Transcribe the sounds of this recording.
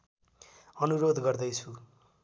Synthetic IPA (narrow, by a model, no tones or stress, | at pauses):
ʌnuɾod̪ɡʌrd̪ʌjt͡sʰu